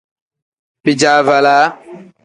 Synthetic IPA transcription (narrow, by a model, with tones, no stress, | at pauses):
pi˨d͡ʒa˨˦va˨la˨˦